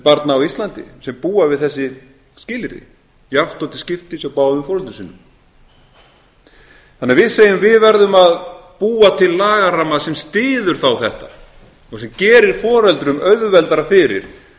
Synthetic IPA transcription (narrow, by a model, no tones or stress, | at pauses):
paɾt̪naːwist̪lant̪ɪ̰sɛmpuːavɪðθɛsːɪ | scɪːlɪɾɪ̰ | jaft̪ɔwt̪ɪ̥scɪft̪ɪsawpaːwðʏmfɔːɾɛlt̪ʏsiːnːʏm | θanːɛaɾvɪðseːjʏmvɪðvɛɾðʏmaðpuːat̪ʰɪlːaːɣaɾamaðsɛmst̪ɪːðʏɾ̥θawθɛht̪a | ɔɣsɛmcɛːɾɪɾ̥fɔːɾɛlt̪ɾʏmœɥðvɛlt̪aɾafɪɾɪ̰ɾ̥